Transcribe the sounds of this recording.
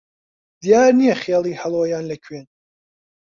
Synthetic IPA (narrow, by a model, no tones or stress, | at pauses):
d̪ijaːɾnijɛχeːlˠiːhɐlˠwojaːnlɐkʰweːn